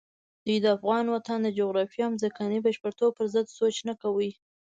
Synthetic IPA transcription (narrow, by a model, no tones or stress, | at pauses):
d̪̥ujd̪əafɣɑnwat̪and̪əd͡ʒoɣɾɑfjɑamzakɑnibaʃpəɾt̪opəɾzəd̪sot͡ʃnakawəj